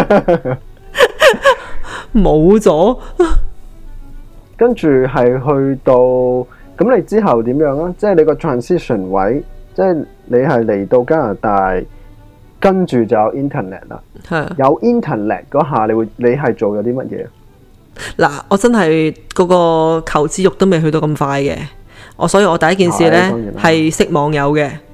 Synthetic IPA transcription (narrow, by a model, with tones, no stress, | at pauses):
mo˨˧wt͡sɔː˨˥ | kɐ˥nt͡ʃyː˨ɦɐ˨jɦɵ˧ɥt̪o˧w | kɐ˨˥mle˨˧jt͡siː˥ɦɐ˨wt̪iː˨˥mjœː˨˥ŋaː˥t͡sɛː˥˩jle˨˧kɔː˧t̪ʰɹaː˨nsi˥sɔ˨˩nwɐ̰˨˥jt͡sɛː˥˩j | le˨˧jɦɐ˨jle˨˩jt̪o˧wkaː˥laː˨˩t̪aː˨j | kɐ˥nt͡ʃyː˨t͡sɐ˨wjɐ˨˧wʔiː˥nt̪ʰɛː˨˩nɛ̰˨˩t̚la̰ː˨hɐ˨˩jɐ˨˧wʔiː˥nt̪ʰɛː˨˩nɛ̰˨t̚kɔː˨˥ɦaː˨˩le˨˧jwuː˨˧jle˨˧jɦɐ˨jt͡so˨wjɐ˨˧wt̪iː˥mɐ˥t̚jɛ̰ː˧ | laː˨˩ʔɔː˨˧t͡sɐ˥nɦɐ˨jkɔː˨˧kɔː˧kʰɐ˨˩wt͡siː˧˥jʊ˨k̚t̪o˥wme˨jɦɵ˧t̪o˧kɐ˧mfaː˧jkɛ̰ː˧ʔɔ̰ː˨˧sɔː˨˥jiː˧ʔɔː˨˧t̪ɐ˨jɐ˥tk̬iː˨˩niː˨lɛː˥˨˩hɐ˨jsɪ˥k̚mɔː˨˧ŋjɐ˨˧wkɛː˧